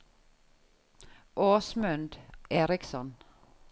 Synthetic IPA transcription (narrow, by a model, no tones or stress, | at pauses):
ʔoːsmʉnd̪ʔeːɾɪksɔn